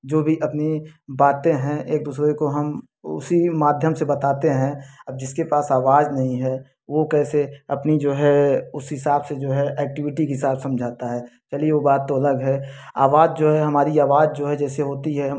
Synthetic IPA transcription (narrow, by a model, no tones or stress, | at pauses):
d͡ʒoːbʱiʔɐpnibaːt̪ẽɦɛ̃ʔeːk̚d̪uːsɾekoɦɐm | ʊ̰simaːd̪ʱjəmsebɐt̪aːt̪eɦɛ̃ɐb̚d͡ʒɪskepaːsaːʋaːd͡ʒnɐɦĩɦɛː | ʋokɛːseɐpnid͡ʒoːɦɛʊsɦɪsaːbsed͡ʒoːɦɛʔɛːk̚ʈɪʋɪʈikeɦɪsaːbsɐ̃md͡ʒʱaːt̪aɦɛːt͡ʃɐlieʋobaːt̪ːoɐləɡɦɛːa̰ːʋaːd͡ʒd͡ʒoːɦɛɦɐmaːɾiaːʋaːd͡ʒd͡ʒoːɦɛd͡ʒɛːseɦoːt̪iɦɛ